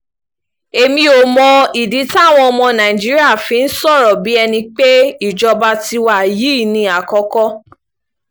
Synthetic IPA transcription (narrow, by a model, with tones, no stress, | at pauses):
e˨mĩ˧o˨mɔ̃˧i˨di˨˦ta˦˨w̃ɔ̃˧ɔ˧mɔ̃˧nã˨i˨d͡ʒi˦ɾi˦a˦˨fĩ˧˦n̩˦sɔ˦˨ɾɔ˨bi˨˦ɛ˧nĩ˧k͡pe˦i˦˨d͡ʒɔ˧ba˧ti˧wa˦˨ji˦˨nĩ˧a˨kɔ˧kɔ˦